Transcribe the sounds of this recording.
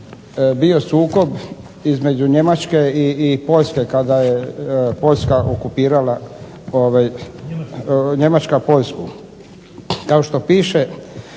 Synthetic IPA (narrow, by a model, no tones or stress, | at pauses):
bio̞suːko̞b | izme̞d͡ʑuɲe̞mat͡ʃke̞iːpo̞ʎʲske̞kad̪ajepo̞ʎʲskaʔokupiːɾala | oʋaj | ɲe̞mat͡ʃkapo̞ʎʲsku | kao̞ʃt̪o̞piːʃe